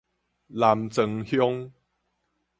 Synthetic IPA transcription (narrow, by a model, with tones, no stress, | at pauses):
la˨˧mt͡sə˧ŋhjo˦ŋ